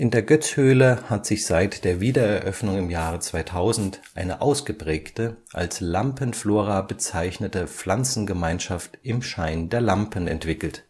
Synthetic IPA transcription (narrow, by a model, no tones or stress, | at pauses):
ʔɪndeːɐɡœt͡shøːləhatz̥ɪçz̥aɪtd̥eːɐviːdɐɛɐʔœfnʊŋɪmjaːʁ̞ət͡sv̥aɪtʰaʊzn̩tʔaɪnəʔaʊsɡ̥əpʁ̥ɛːktəʔa̰lslampənfloːʁabət͡saɪçnətəp͡flant͡sn̩ɡəmaɪnʃaftʔɪmʃaɪndeːɐlampənɛ̰ntv̥ɪkl̩t